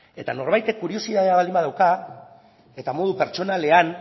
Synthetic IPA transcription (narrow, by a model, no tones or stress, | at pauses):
e̞t̪a̰no̞ɾβajt̪e̞kːuɾio̞siðaðeaβalimbaðawka | et̪amo̞ð̞upe̞ɾt͡ʃo̞nale̞an